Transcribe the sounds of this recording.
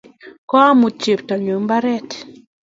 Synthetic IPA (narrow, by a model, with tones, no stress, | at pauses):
kɔ˦a˦mu˨t͡ʃe˨ptɔ˨ɲo˨mba˦ɾɛ˦t